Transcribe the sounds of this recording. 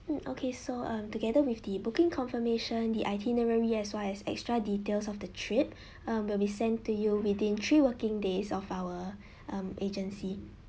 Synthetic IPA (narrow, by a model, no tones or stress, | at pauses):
m̩ʔo̰kʰesoʌ̃mtuɡɛdəwifdibukɪ̃ŋkʰɔ̃nfəmeʃə̃ndiʔaɪtʰinəɹəɹiɛswalɛsɛ̰kstɹaditelsɔfdətʰɹip̚ | ʌ̃mwilˠbisɛ̃ntujuwidĩntʰɹiwəkɪ̃ŋdesɔfawə | ʔʌ̃mʔed͡ʒə̃nsi